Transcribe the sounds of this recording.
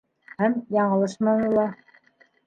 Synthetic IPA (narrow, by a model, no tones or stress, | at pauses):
hæmjɑɴɤ̆lˠɤʃmɑnɤ̆lˠɑ